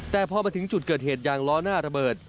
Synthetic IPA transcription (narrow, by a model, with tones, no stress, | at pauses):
t̪ɛː˨˩pʰɔː˧maː˧t̪ʰɯ˩˦ŋt͡ɕu˨˩t̪̚kɤː˨˩t̪̚heː˨˩t̪̚jaː˨˩ŋlɔː˦˥naː˥˩ɾa˧bɤː˨˩t̪̚